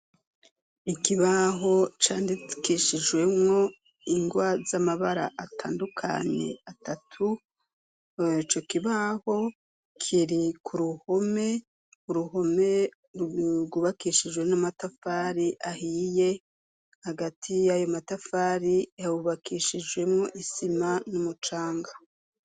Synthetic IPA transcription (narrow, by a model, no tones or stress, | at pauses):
ikiβaɦo̞t͡ʃaːndikiʃid͡ʒwe̞mŋo̞ | iŋɡwazamaβaɾa̰ʔatʰa̰ːndukʰa̰ɲe̞̰atatʰu | it͡ʃo̞kiβaho̞ | kʰiɾikʰuɾuho̞me̞ | uɾuho̞me̞ | ɡuβakiʃid͡ʒwe̞namatafaɾiʔahije̞ | haɡatʰijajo̞matafaːɾiauβakʰiʃid͡ʒɡwe̞mŋo̞ʔisimanumut͡ʃaːŋɡa